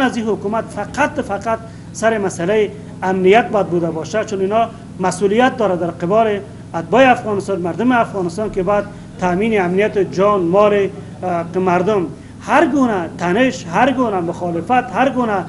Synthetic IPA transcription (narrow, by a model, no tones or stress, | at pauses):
aziɦʊkumat̪faqat̪faqat̪̚ | saɾɪmasalaji | amnijat̪̚bɔjad̪̚bud̪abɔʃat͡ʃʊnɪnɔ | masulijat̪̚d̪ɔɾad̪aɾqɪbɔlɪ | ad̪̚bɔeafɣɔnɪst̪ɔnmaɾd̪ʊmɪafɣɔnɪst̪ɔnkebɔjad̪̚ | t̪amineamnijat̪ɪd͡ʒɔnmɔle | maɾd̪ʊm | haɾɡunat̪ʰanɪʃhaɾɡunamʊxɔlɪfat̪haɾɡuna